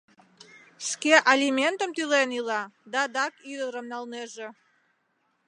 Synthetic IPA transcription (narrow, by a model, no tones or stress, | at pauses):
ʃkeʔalʲimʲent̪əmt̪ylenilɑd̪ɑd̪ɑkyd̪əɾəmnɑlneʒe